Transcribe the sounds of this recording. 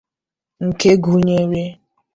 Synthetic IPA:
ŋ̩˨ke˦ɡu˨ɲe˦ɾje˦

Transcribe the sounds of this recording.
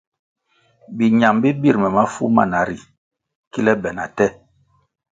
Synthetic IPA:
bi˨ɲa˨mbi˦bi˦˨ɾmɛ˨ma˦fṵ˦ma̰˦˨na˨˦ɾi˨ | ki˦lɛ˦bɛ˨na˨tɛ˦

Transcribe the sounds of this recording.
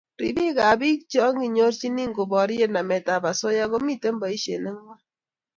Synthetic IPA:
ɾi˨bi˦ka˨bi˦k̚t͡ʃɔ˦ŋi˨ɲo˦ɾt͡ʃi˦ni˦ŋɡo˨bɔ˨ɾje˦na˨mɛ˨ta˨ba˨so˦ja˦ɣo˦mi˦te˦mba˨i˦ʃḛ˨ne˦ŋwa˦

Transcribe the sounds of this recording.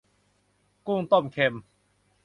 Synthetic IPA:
kuː˥˧ŋt̪o˥˩mkʰe˧m

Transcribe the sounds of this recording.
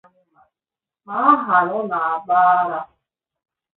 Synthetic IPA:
a˦ɦa˨ɾʊ˦na˨a˨ɡ͡ba˦a˦ɾa˦

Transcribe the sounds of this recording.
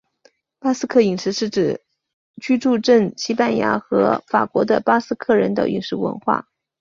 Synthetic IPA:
pa˥sɹ̩˥kʰɤ˥˩i˨˩ŋʂɻ̩˧˥ʂɻ̩˥˩ʈ͡ʂɻ̩˨˩ | t͡ɕy˥ʈ͡ʂu˥˧ʈ͡ʂə˥˩ŋɕi˥pa˥˩nja̰˧˥xɤ˧˥fa̰˨˩kwɔ˧˥d̪ə˧pa˥sɹ̩˥kʰɤ˥˩ɻə˧˥nt̪ə̰˧˨˩ʔḭ˨˩ŋʂɻ̩˥˩wə̰˧˥nxwa̰˥˩

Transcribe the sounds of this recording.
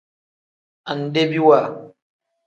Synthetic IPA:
ʔa˨n˨de˦bi˦wa˨

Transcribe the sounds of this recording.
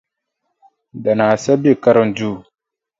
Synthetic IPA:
da˨na˨sa˦bi˦˨ka˦ɾə˦n˨˦d͡ʒu˦˨

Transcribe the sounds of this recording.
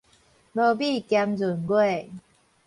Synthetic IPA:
lə˧bi˥˧˨kja˧mzu˨˩˦nɡwe˥˨

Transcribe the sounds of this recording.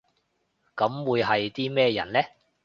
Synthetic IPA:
kɐ˨˥mwuː˨˧jɦɐ˨jt̪iː˥mɛː˥jɐ̰˨˩nlɛː˥

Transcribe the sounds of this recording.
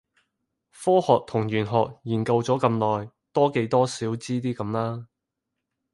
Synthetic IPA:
fɔː˥hɔː˨k̚t̪ʰʊ˨˩ŋjyː˨˩nɦɔː˨k̚jiː˨˩nkɐ˧wt͡sɔː˨˥kɐ˧mlɔː˨j | t̪ɔː˥ke˨˥jt̪ɔː˥siː˨˥wt͡siː˥t̪iː˥kɐ˨˧˦mlaː˥

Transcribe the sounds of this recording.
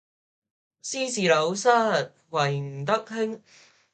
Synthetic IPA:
siː˥siː˨˩lo˨˥wsɐ˥t̚ | wɐ˨˩jm̩˨˩t̪ɐ˥k̚hɪ˥ŋ

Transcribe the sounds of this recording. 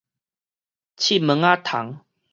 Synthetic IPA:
t͡ɕʰi˥˦˨mə˨˦ŋa˦t̪ʰa˨˦ŋ

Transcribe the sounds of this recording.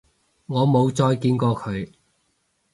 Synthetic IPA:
ŋɔː˨˧mo˨˧wt͡ʃɔː˧jkiː˧nkɔː˧kʰɵ˨˧ɥ

